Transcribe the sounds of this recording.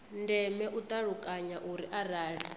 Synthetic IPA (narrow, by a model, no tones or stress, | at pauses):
ndɛmɛʔut̪ʼaɺukʼaɲaʔuɾiʔaɾaːɺi